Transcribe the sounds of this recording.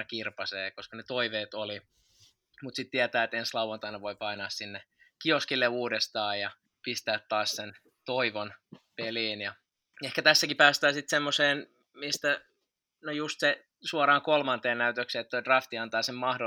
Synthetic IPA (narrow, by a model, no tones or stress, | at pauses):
ɑkirpɑseːkoskɑnet̪oiʋeːt̪oli | mut̪sit̪t̪iæt̪æːet̪enslɑuwɑnt̪ɑinɑʋoipɑinɑːssinːe | kioskilːeuːdest̪ɑːjjɑ | pist̪æːt̪t̪ɑːssen | t̪oiʋonpeliːnjɑ | ehkæt̪æsːækipæːst̪æːsit̪semːoseːn | mist̪æ | nojust̪se | suɑrɑːŋkolmɑnt̪eːnnæyt̪økseːet̪t̪ːoidrɑft̪iɑnt̪ɑːsemmɑhdo